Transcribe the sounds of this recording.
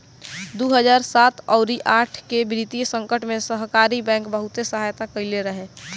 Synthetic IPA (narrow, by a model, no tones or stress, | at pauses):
d̪uɦəd͡ʒaːɾsaːt̪ɔʊɾiʔaːʈʰkebɾit̪ijsə̃ŋkəʈmẽsəɦkaːɾibɛ̃ːkbəɦʊt̪esəɦaːjt̪akəileɾəɦe